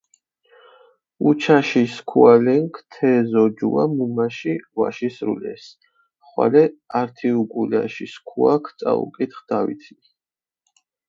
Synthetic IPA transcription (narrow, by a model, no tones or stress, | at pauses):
ut͡ʃʰaʃiskʰualɛŋkʰt̪ʰɛzɔd͡ʒuamumaʃivaʃisɾṵlɛ̰s | χwa̰lɛaɾt̪ʰiuɡulaʃiskʰuakʰt̪sʼa̰ṵkʼit̪χd̪̥avit̪ʰi̥